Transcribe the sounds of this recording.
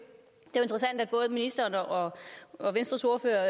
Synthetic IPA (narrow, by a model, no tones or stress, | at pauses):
d̥e̝æʊe̝nd̥ʁɐsæn̰d̥æd̚b̥ɔ̽ːð̞̩ˠminisd̥ɐːnɒ̽ɒ̽ʋensd̥ʁɐso̝ɐføːɐ